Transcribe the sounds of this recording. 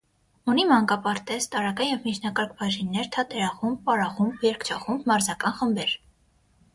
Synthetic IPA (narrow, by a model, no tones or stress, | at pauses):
unimɑŋkɑpɑɾt̪ɛst̪ɑɾɑkɑnjɛvmit͡ʃʰnɑkɑɾkʰbɑʒinːɛɾt̪ʰɑt̪ʰɛɾɑχumb̚pɑɾɑχumbjɛɾkt͡ʃʰɑχumbmɑɾzɑkɑnχəmbɛɾ